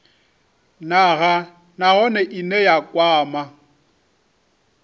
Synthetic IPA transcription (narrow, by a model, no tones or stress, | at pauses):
naɣa | naɣɔnɛʔinɛjakʼwaːma